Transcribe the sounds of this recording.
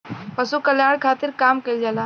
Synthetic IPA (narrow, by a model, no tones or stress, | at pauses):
pɐsukɐljaːɽkʰaːt̪ɪɾkaːmkɐld͡ʒalaː